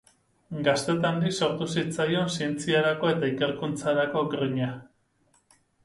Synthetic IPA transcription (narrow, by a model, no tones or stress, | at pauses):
ɡast̪e̞t̪and̪ikso̞ɾt̪usit͡sajo̞nsie̞nt͡siaɾako̞e̞t̪aike̞ɾkunt͡saɾako̞ɡɾiɲa